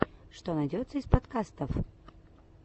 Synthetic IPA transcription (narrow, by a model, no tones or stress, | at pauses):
ʂt̪onɐjdʲot̪sːəispɐt̪kast̪əf